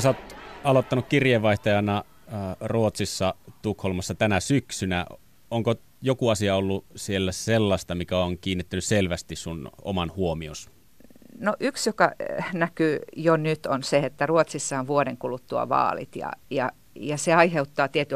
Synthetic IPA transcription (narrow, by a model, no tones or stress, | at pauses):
sæoːt̪ɑlot̪ːɑnukkirjeʋɑiht̪ɑjɑnɑ | ruot̪sisːɑt̪ukholmɑsːɑt̪ænæsyksynæ | oŋko | jokuɑsiɑolːusielːæselːɑst̪ɑmikæoŋkiːnːet̪ːænysselʋæst̪issuno̰mɑnhuomios | noʔyksjokɑ̰nækyːjonyt̪onseet̪ːæruot̪sisːɑonʋuoɾeŋkulut̪ːuɑ̰ʋɑ̰ːlḭt̪jɑ̰jɑ̰ | jɑseɑiheut̪ːɑːt̪iet̪y